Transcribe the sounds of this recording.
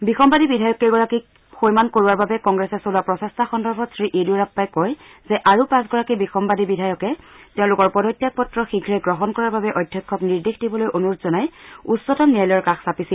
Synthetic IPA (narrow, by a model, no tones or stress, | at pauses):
bixɔmbadibidʱajɔkeɡɔɹaki | xojmankoɹuwaɹbabɛkɔŋɡɹɛsɛsolapɹɔsɛstʰaxɔndɔɹbʱɔtsɹiʔeduɹapːajkɔj | zɛʔaɹupãs̬ɡɔɹakibixɔmbadibidʱajɔkɛtɛʊ̃lʊkɔɹpɔdɔtːjak̚pɔtɹɔxiɡʰʱɹɛɡɹɔɦɔnkɔɹaɹbabɛʔɔjdʱːjakʰːɔkniɹdixdibɔlojʔonuɹutzɔnajutsɔtɔmniajlɔjɔɹkaxsapisil